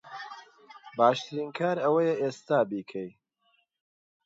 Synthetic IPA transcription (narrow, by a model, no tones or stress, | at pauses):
baːʃt̪ʰɨɾiːnkʰaːɾɐwɐjɐʔeːst̪aːbiːkʰɐj